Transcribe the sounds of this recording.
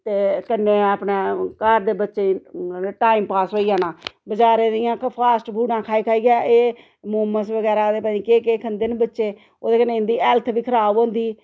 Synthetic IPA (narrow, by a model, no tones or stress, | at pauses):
t̪eːkənːeːaːpneːkəɾd̪eːbətːʃeːʈaːimpaːsoːiːaːnãːbəd͡ʒaːɾeːd̪ɪjãːpʰaːsʈbʱuːɽãːkʰaːiːkʰaːiːɡjaːʔeː | moːməsʋəɡɛːɾaːd̪eːpãːiːkeːkeːkʰənd̪eːnbətːʃeː | o̰ːd̪eːkənːeːɪnd̪iːɛːlt̪ʰʋiːkʰəɾaːbõːnd̪iː